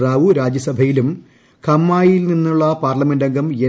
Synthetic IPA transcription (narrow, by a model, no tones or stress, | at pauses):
raːʋuɾaːd͡ʑjɐsɐbʱɐjilum | kʰɐmːaːjilninːuɭːɐpaːrlɐme̞ndɐŋɡʱɐme